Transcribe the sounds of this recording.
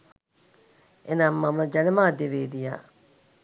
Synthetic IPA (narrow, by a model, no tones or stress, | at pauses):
ʔenaːmːɐmɐd͡ʒɐnɐmaːd̪eʋeːd̪ija̰ː